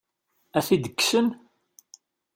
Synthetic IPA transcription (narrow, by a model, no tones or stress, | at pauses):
æθid̪əkːsən